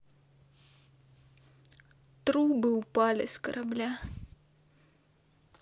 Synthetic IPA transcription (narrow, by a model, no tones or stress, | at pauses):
t̪ɾubɨupalʲɪ̰skɐɾʔɐblʲa